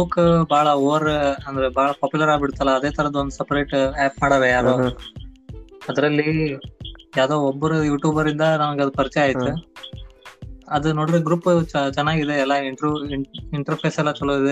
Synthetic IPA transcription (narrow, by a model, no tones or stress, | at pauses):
bukːbaːɭɐoːʋɐɾɐnd̪ɐɾebaːɭɐpaːpjulɐɾaːɡbiɽt̪ɐlːɐːd̪e̞ːt̪ʰɐɾɐd̪ɐond̪usɛpɐɾeːʈaːpmaːɽaɾejaːɾoː | ɐd̪ɐɾɐlːi | jaːd̪oːɔbːɐɾujuːʈjuːbɐɾind̪ɐnɐmɐɡeɐd̪upɐɾt͡ʃɛaːjit̪ːu | ɐd̪unoːɽid̪eɡɾuːpːt͡ʃɛnːaːɡid̪eɛlːɐiɳʈɾuiɳʈɐɾpʰeːsɛlːɐt͡ʃɐlːoid̪e